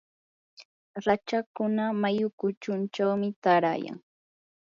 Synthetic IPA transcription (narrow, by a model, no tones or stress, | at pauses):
ɾat͡ʃakʊnamajʊkʊt͡ʃʊnt͡ʃawmɪt̪aɾa̰ja̰ŋ